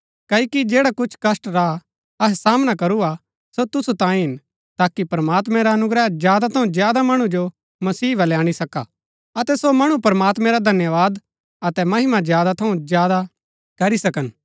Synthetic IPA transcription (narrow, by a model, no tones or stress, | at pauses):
kɐikid͡ʒeːɽakʊt͡ʃʰkɐsʈɾa | ɐɦsaːmnakɐɾua | sot̪ʊsut̪ãːĩɦɪn | t̪aːkipɾmaːt̪mɛ̃ɾaɐnʊɡɾɛzjaːd̪at̪ʰɐũd͡ʒjaːd̪amɐɽ̃ũd͡ʒo | mɐsiːʋɐljaːɽ̃isɐka̰ | ɐt̪ɛsomɐɽ̃upɐɾmaːt̪mɛ̃ɾad̪ʱɐnjəʋaːd̪ | ɐt̪ɛmɐɦɪmazjaːd̪at̪ʰɐũzjaːd̪a | kɐɾisɐkən